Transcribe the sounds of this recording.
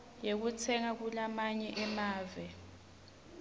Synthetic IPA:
jek̬ut͡sʰɛŋak̬ulamaɲɛʔɛmaːvɛ

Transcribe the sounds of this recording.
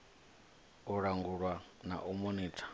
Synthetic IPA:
uɺaŋɡuɺwana̰ʔumoniːtʰḁ

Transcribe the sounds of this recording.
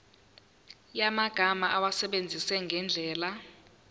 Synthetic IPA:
jamaɡ̥ʱamaʔawasɛɓend͡zʱisɛŋɡʱɛnd͡ɮʱɛːla

